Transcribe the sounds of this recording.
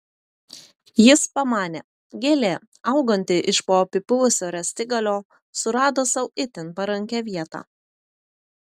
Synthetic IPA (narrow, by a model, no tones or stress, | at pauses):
jɪspɐmɑːnʲeː | ɡʲeːlʲeː | ɐʊɡɐnʲt̪ʲɪʔɪʃpoːpʲɪpʊʋʊsʲoːɾʲɛsʲt̪ʲɪɡɐlʲoː | sʊɾɑːd̪oːsɐʊɪt̪ʲɪnpɐɾɐŋʲkʲɛʋʲiɛt̪ɑ̰ː